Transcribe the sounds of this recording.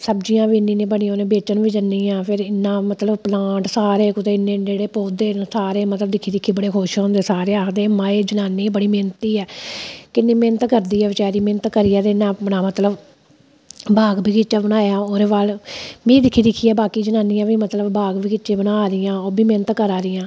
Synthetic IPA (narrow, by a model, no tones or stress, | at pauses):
səbd͡ʒijãːʋiːnːĩːnẽːbəɳĩːoːnẽːbeːt͡ʃənʋiːd͡ʒənːiːãːpʰɪɾɪnːãːmət̪ləbplãːɳʈsaːɾeːkʊt̪eːɪnːẽːd͡ʒeːɽeːpoːd̪eːsaːɾeːmət̪ləbd̪ɪkʰːiːd̪ɪkʰːiːbəɽeːkʰoːʃõːnd̪eːsaːɾeːaːkʰd̪eːmãːeːd͡ʒənaːnːiːbəɽiːmeːnət̪iːɛːkɪnːĩːmeːnət̪kəɾd̪iːɛːʋɪt͡ʃaːɾiːmeːnət̪kəɾiːɛːt̪eɪnːãːbənaːmət̪ləb | bʱaːɡbiːkɪt͡ʃːaːbənaːjãːoːɾeːʋaːlmĩːd̪ɪkʰːiːd̪ɪkʰːiːɛːbaːkiːd͡ʒənaːniːãːʋiːmət̪ləbbʱaːɡbiːkɪt͡ʃːẽːbənaːɾɪjãːoːbiːmeːnət̪kəɾaːɾɪjãː